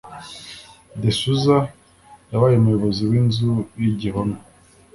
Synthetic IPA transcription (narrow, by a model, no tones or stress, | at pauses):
desuza | jaβaːjemujoβoziwiːnzujiɟiɦomi